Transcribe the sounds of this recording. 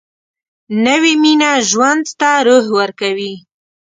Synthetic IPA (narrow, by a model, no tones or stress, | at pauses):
nəwiminaʒwand̪t̪aɾoɦwəɾkawi